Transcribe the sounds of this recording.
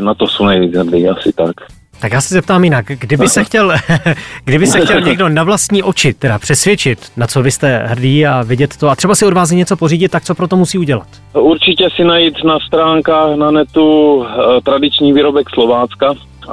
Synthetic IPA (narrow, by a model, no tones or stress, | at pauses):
nat̪osownɛjviːt͡sɦr̩diːasɪt̪ak | t̪akjaːsɛzɛp̚t̪aːmjɪnakɡdɪbɪsɛxcɛl | ɡdɪbɪsɛxcɛlɲɛɡdo̞navlast̪ɲiːʔo̞t͡ʃɪt̪ɛdapr̝̥ɛsvjɛt͡ʃɪt̪nat͡so̞vɪst̪ɛɦr̩diːavɪɟɛt̪ːoat̪r̥ɛbasɪo̞dvaːs̬ɪɲɛt͡so̞po̞riːɟɪt̪̚t̪ːak̚t͡so̞pɾo̞t̪o̞musiːuɟɛla̰t̪ | uɾt͡ʃɪcɛsɪnajit̪nast̪ɾaːŋkaːxnanɛt̪u | t̪ɾadɪt͡ʃɲiːviːɾobɛkslovaːt͡ska